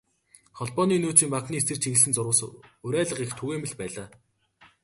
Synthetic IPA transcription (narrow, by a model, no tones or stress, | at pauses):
χɔɮpɔːniːnuːt͡ɕiːmpakniːesɘ̆rt͡ɕʰiɣɘ̆ɮsɘ̆nt͡sʊrwʊ̆ːsʊɾæːɮə̆qixt̪ʰuɣeːmɘ̆ɮpæːɮaː